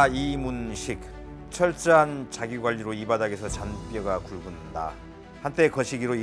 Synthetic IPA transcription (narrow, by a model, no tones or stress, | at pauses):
imunɕʰik̚ | t͡ɕʰʌɭt͡ɕ͈ɦant͡ɕaɡiɡwaʎːiɾoibadaɡesʰʌt͡ɕanp͈jʌɡakuɭɡunda̰ | hant͈e̞kʌɕʰiɡiɾoi